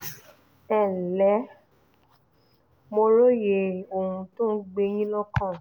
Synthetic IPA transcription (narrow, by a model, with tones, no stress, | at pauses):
ɛ˦˨lɛ˨˦ | mo˧ɾo˦je˧˨o˨hũ˧to˦n̩˦ɡ͡be˧j̃ĩ˦lɔ˦kã˦˨